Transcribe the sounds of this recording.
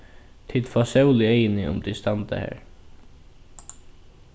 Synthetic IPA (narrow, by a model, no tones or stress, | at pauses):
t̪ʰɪt̪fasɛwlɪeɪjɪnɪʊ̰mt̪ʰist̪ant̪a̰hæ̰ːɹ